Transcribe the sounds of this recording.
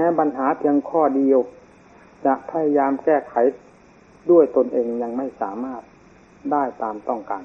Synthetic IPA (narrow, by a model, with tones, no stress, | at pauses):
mɛː˧ba˧nɦaː˩˦pʰi˧əŋkʰɔː˥˩di˧əw | t͡ɕa˨˩ʔpʰa˧ja˧jaː˧mkɛː˥˩kʰa˩˦j | du˥˩əjt̪o˧nʔeː˧ŋɲa˧ŋma˥˩jsaː˩˦maː˥˩t̪̚ | daː˥˩jt̪aː˨˧mt̪ɔ˥˩ŋkaː˨˩n